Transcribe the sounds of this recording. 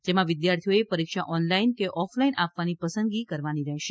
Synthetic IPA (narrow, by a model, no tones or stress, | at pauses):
d͡ʒemãʋɪd̪jaɾt̪ʰijoepəɾikʃa̰ʔɔnlainkeʔɔflainapʋanipəsə̃nd̪ɡikəɾʋaniɾɛɦʃe